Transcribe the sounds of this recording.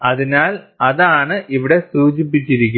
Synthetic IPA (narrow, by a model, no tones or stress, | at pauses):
ɐðinaːl | ɐðaːɳɨʔiʋiɽe̞suːd͡ʑip̬ːit͡ɕːiɾikʲːu